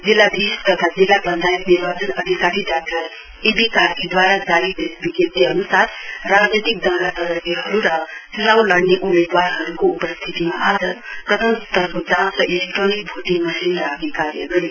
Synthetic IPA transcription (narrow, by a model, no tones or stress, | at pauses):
d͡zilːad̪isk̪ʌt̪ʰad͡zilːabʌnd̪ʱajkniɾbat͡sʌnʌd̪ʱikaɾiɖak̚ʈʌɾ | ebikakid̪waɾad͡zalid̪esbiket̪iɦʌnusat̪ʰrad͡znit̪ik̚d̪ʌɾatʌɾʌɡiɦʌɾuɾʌsilawlʌɽneʔumed̪waɾɦʌɾukoupʌst̪ʰit̪imaad͡zʌpɾʌt̪ʰʌmt̪ʌɾkod͡zãsʌʔelek̚ʈronik̚bʱuʈimʌsinɾaɡnikaɾjʌ̰ɡʌɾi